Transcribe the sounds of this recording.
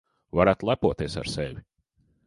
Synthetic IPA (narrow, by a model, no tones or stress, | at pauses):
vaɾæːt̪lˠæpuɔt̪iɛsa̰ɾsɛvʲi